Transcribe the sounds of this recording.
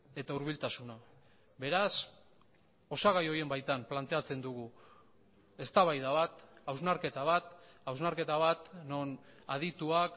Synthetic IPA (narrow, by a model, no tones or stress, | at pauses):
e̞t̪auɾβ̞ilt̪asuna | be̞ɾas | o̞saɣajo̞ie̞mbajt̪amplant̪e̞at͡se̞nd̪uɣ̞u | e̞st̪aβajðaβat̪awznaɾke̞t̪aβat̪awznaɾke̞t̪aβat̪no̞nað̞it̪uak